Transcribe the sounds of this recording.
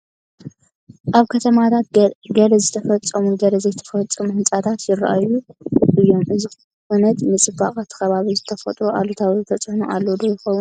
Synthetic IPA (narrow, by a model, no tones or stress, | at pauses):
ʔaβkʰɐt̪ʰɐmat̪ʰat̪̚ɡɐlɐzɨt̪ʰɐfɐt͡sʼːɐmuɡɐlɐzɐjt̪ʰɐ̥fɐt͡sʼːɐmuhɨnt͡sʼat̪ʰat̪jɪra̰ʔajuʔɨjːo̞mʔɨzi | ʔunɐt̪nɨt͡sʼɨbakʼat̪ʰɨ̥xɐβaβizɨt̪ʰɐfɐt̪ʼɾoʔalot̪ʰawzɨt̪ʰɐt͡sʼhnuʔalːod̪ojɪxɐwun